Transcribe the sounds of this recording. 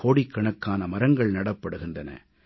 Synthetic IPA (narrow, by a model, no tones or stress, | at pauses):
oːɽikːɐɳɐkːaːnɐmɐɾɐŋɡɐɭnɐɽɐpːɐɽɯɣɪndrɐnɐ̰